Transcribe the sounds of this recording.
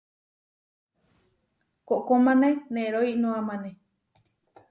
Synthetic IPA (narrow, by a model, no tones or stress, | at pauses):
koʔkomãnẽnẽɾoinõãmãne